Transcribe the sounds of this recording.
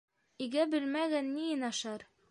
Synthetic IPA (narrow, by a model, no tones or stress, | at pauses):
iɡæbɘ̆lmæɡænːijɤ̆nɑʃɑɾ